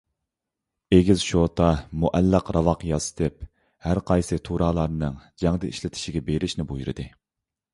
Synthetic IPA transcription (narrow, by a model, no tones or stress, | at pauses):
eɡʲizʃot̪ʰɑmuʔɛlːəqɾɑvɑqjɑsɨ̥t̪ʰɨp̚ | hæɾqʰɑjsɨt̪ʰuɾɑːlˠɑɾnɨŋd͡ʒɛŋd̪ɨiʃlɪt̪ʰɪ̥ʃiɡʲɛbeɾɪʃnɪbujuɾɨ̰d̪ɨ